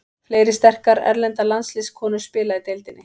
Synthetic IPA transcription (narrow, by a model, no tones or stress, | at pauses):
fleːjɾɪst̪ɛr̥kaɾɛ̰ɾlɛnt̪alanslɪskʰɔːnʏɾ̥spɪːlaɪt̪ejlt̪ɪnːɪ